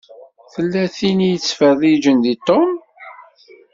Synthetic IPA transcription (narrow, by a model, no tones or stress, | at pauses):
θəlːæθinijət͡sːfəðˤid͡ʒənðit̪om